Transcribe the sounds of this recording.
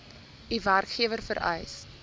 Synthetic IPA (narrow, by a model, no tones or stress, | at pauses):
iværkχiəvərfəɾə̰js